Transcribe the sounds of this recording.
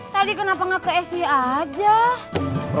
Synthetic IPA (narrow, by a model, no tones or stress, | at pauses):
t̪adikənapaŋakəɛsiad͡ʒa